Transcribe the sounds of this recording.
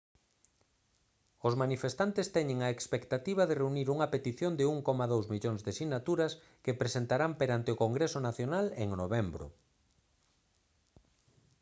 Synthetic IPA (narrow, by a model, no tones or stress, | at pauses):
ozmanifest̪ant̪est̪ɛɲẽŋaekspekt̪at̪iβ̞aðereuniɾuŋɐpet̪iθjond̪ɪuŋkɔmaðowzmiʎoŋzðesiɣnat̪uɾɐs | kepɾesent̪aɾampeɾant̪eʊkoŋɡɾesʊnaθjonaleŋnoβɛmbɾʊ̰